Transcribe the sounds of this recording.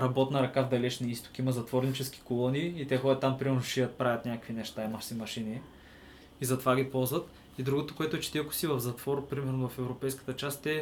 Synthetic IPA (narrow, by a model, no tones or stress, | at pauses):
ɾɐbɔt̪nɐɾɐkavd̪ɐlɛt͡ʃniist̪o̥kʲimɐzɐt̪vɔɾnit͡ʃɛsk̟i̥kolˠɔniːt̪ɛxɔdʲət̪ːampɾimɛɾnʊʃijət̪̚pɾavʲɐt̪nʲakəkvinɛʃt̪aimɐxsɛmɐʃini | izɐt̪ovaɡʲipɔlˠzvət̪ | id̪ɾuɡot̪okoɛt̪ʊɛt͡ʃɛ̥t̪iɛkʊ̥sivɐvzɐt̪vɔɾpɾimɛɾnʊvɐfɛvɾopɛjskə̥t̪ət͡ʃast̪ɛ